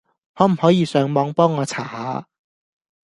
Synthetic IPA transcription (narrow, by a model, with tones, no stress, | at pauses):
hɔː˨˥m̩˨˩hɔː˨˥jiː˨˧sœː˨˧ŋmɔː˨˥ŋpɔː˥ŋːɔː˨˧t͡sʰaː˨˩haː˨˧˥